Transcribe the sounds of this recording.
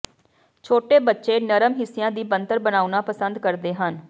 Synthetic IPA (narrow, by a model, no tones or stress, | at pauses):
t͡ʃʰoːʈeːbətːʃeːnəɾəmɦɪsɪjãːd̪iːbənt̪əɾbənaːunaːpəsənd̪kəɾd̪eːɦən